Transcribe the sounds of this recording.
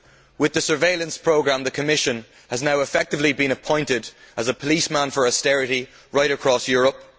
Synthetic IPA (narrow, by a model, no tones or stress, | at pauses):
wɪðəsə˞veɪlə̃nspʰɹ̥oʊɡɹãmðəkʰəmɪʃə̃n | əznaʊɪfɛk̚tɨvlibĩnəpʰɔ̃ɪ̃ntɪdəzəpʰəlismãnfə˞ɔstɛɹɪɾi | ɹaɪɾəkʰɹ̥ɔsjɔːɹəp̚